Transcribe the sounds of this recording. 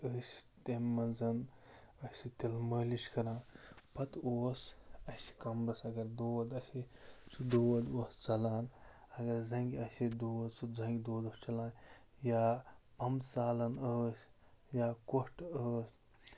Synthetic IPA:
əːst̪emːɐnzɐn | əsʲit̪ilməːliʃkɐɾaːnpɐt̪oːsɐsi̥kɐmɾɐsɐɡɐɾd̪oːɐd̪ɐsit͡ʃʰud̪oːwɐd̪oːst͡sɐlaːn | ɐɡɐɾzɐŋɡʲiɐsid̪oːwd̪suzɐŋɡʲd̪oːd̪ost͡ʃɐlaːn | jaːbʱɐmt͡saːlɐnəːsjaːkoʂʈəːsʲ

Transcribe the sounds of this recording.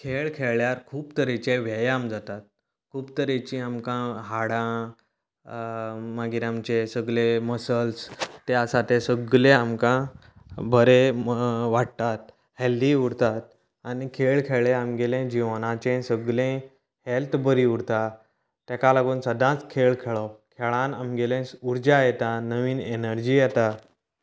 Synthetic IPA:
kʰeɭkʰeɭjaɾkʰuːpt̪əɾet͡ɕẽʋɛjamd͡zat̪at̪̚ | kʰuːpt̪əɾet͡ɕĩamkãɦaɽã | maɡiɾãmt͡ɕesəɡleməsəlst̪easat̪ẽsəɡlẽamkã | bʱəɾe | ʋaɽt̪at̪̚ | heldiuɽt̪at̪ | anikʰeɭkʰeɭẽamɡelẽd͡ʑiʋnãt͡ɕẽsəɡlẽ | helt̪bəɾiuɽt̪a | t̪ɛkalaɡuːnsəd̪ʱãt͡skʰeɭkʰɛɭɔkʰɛɭãnamɡelẽuɾd͡ʑajɛt̪anəʋiːnenəɾd͡ʑiːjɛt̪a

